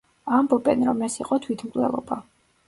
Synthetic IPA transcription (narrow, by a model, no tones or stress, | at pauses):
ambɔbɛnɾɔmɛsiqʼɔt̪ʰwit̪ʰmkʼlɛ̰lˠɔ̰ba